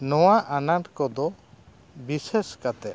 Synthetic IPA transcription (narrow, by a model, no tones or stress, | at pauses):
nɔwaʔanaɾkɔd̪ɔ | biseskat̪ɛ